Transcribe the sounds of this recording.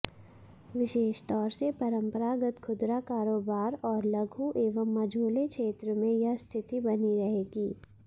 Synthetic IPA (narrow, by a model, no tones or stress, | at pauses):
ʋɪʃeːʃt̪ɔːɾsepɐɾə̃mpəɾaːɡət̪kʰʊd̪ɾakaːɾoːbaːɾɔːɾlɐɡʱuʔeːʋəmːɐd͡ʒʱoːlekʃeːt̪ɾəmẽjɐɦst̪ʰɪt̪ibɐniɾɐɦeːɡiː